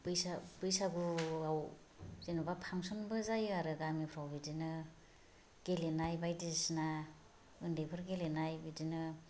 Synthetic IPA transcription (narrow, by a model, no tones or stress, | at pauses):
bɯjsabɯjsaɡuaw | zenubapʰaŋsɔnbɯzajɯaɾɯɡamipʰɾawbidinɯ | ɡ̥elenajbajdisna | ɯndepʰɯɾɡelenajbidinɯ